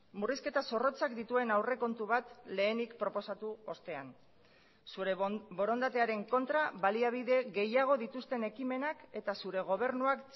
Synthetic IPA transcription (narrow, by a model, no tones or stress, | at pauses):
muriske̞t̪aso̞ro̞t͡sakd̪it̪ue̞nawre̞ko̞nt̪uβ̞at̪le̞ːnikpɾo̞po̞sat̪uo̞st̪e̞an | suɾebo̞ɾo̞nd̪at̪e̞aɾe̞ŋko̞nt̪ɾaβaliaβ̞iðe̞ɣe̞jaɣ̞o̞ðit̪ust̪e̞ne̞kime̞nake̞t̪asuɾe̞ɣ̞o̞β̞e̞rnuak